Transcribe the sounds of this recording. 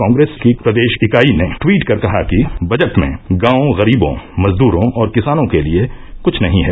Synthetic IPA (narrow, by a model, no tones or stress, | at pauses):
kãːŋɡɾeːskipɾɐd̪eːʃɪkaːineʈwiːʈkɐɾkɐɦakibɐd͡ʒəʈmḛ̃ɡãːõɣɐɾiːbõ̰mɐzd̪uːɾõɔːɾkɪsaːnõkeliekʊt͡ʃʰnɐɦĩɦɛː